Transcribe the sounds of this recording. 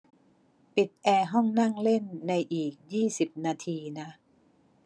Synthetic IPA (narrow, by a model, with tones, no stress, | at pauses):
pi˨˩t̪̚ʔɛː˧ɦɔ˥˩ŋna˥˩ŋle˥˩nːa˧jʔiː˨˩k̚jiː˥˩si˨˩p̚naː˧t̪ʰiː˧na˦˥ʔ